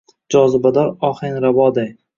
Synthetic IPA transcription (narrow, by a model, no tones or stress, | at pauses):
d͡ʒɒzɪbad̪ɒɾɒχenɾabɒd̪aj